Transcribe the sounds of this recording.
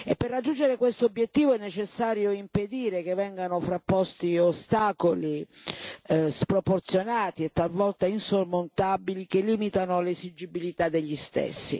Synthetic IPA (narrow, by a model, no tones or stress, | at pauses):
epːerːad͡ʒːund͡ʒeɾekwest̪oobːjet̪ːiːvoɛnːet͡ʃesːaːɾjoimped̪iːɾekevɛŋɡanofɾapːɔst̪iost̪aːkoli | spɾoport̪sjonaːt̪iet̪ːalvɔlt̪ainsormont̪abilikelːiːmit̪anolezid͡ʒibilit̪ad̪ːeʎːist̪ḛsːḭ